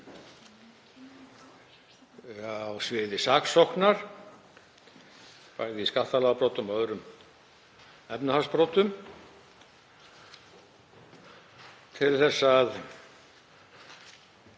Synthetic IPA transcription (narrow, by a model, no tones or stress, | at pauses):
awsvɪːðɪsaksɔwhknaɾ̥ | pa̰ːɣðɪiskaht̪alaːwpɾowt̪ʏmœðɾʏm | ɛpnahaspɾowt̪ʏm | t̪ʰɪlθɛsːað